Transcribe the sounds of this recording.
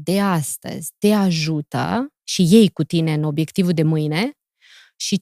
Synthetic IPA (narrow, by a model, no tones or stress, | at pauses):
d̪e̞ast̪ə̰zʲt̪e̞aʒut̪ə̰ | ʃije̞jkut̪ine̞ɨno̞bje̞kt̪ivuld̪e̞mɨjne̞ | ʃi